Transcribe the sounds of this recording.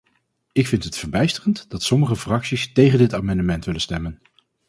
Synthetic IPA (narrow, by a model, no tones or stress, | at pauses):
ɪkfɪntɦətfəɹbɛjstərəntd̥ɑtsɔməχəfrɑksistejχəndɪtaːmɑndəmɛntʋɪlənstɛmən